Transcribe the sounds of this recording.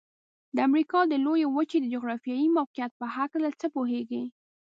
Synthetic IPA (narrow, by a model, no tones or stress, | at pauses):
d̪əamɾikɑd̪əlojewət͡ʃed̪əd͡ʒoɣɾɑfjɑjimawqijat̪̚pəhaklat͡səpoɦeɡi